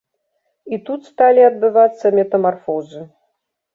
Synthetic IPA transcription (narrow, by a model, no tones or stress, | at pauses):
it̪ut̪st̪alʲiɐd̪̚bɨvat̪sːɐmʲɛt̪ɐmarfɔzɨ